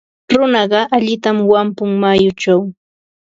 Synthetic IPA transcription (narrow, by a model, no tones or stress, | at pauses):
ɾʊnɑɢɑʔaʎɪt̪amwampʊŋmajʊt͡ʃaw